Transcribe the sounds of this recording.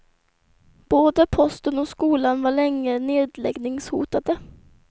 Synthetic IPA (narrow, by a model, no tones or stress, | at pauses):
b̥oːd̪əpʰɔst̪ənɔskuːlanvaɭɛŋːəneːd̪lɛ̰ɡnɪŋshṵːt̪ad̪ə